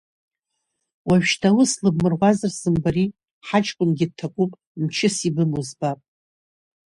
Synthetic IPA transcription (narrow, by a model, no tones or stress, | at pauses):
waɥᶣʃtʰawʊslɨbmɨrʁʷazɨrsɨmbaɾi | ħat͡ʃʼkʷʼʊnɡʲɪd̚tʰːakʷʼupʼ | mt͡ʃʰɪsibɨmuzbapʼ